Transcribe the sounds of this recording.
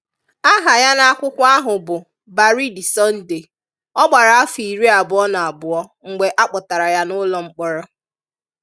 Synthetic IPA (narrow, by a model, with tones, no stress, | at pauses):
a˦ɦa˨ja˦na˦a˦kʷʊ˦kʷʊ˦a˦ɦʊ˨bʊ˨ | ba˨ɾi˦di˨sɔ˦n̩˦de˨ | ɔ˦ɡ͡ba˨ɾa˨a˦fi˨ɾi˦a˨bʊ˨ɔ˦na˨a˨bʊ˨ɔ˦ŋ̩˨ɡ͡be˨ʔa˦k͡pɔ˨ta˨ɾa˨ja˦nʊ˦lɔ˨ŋ͡m̩˦k͡pɔ˦ɾɔ˦